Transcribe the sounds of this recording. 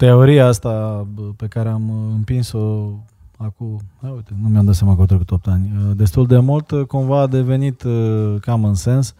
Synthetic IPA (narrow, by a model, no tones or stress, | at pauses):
t̪e̞o̞ɾiaast̪ape̞kaɾeamɨmpinso̞ | akuaujt̪enumjamd̪at̪seaməkut̪ɾəkut̪op̚t̪anʲəd̪e̞st̪uld̪e̞mult̪kumvaːd̪e̞ve̞nit̪kamɨnse̞ns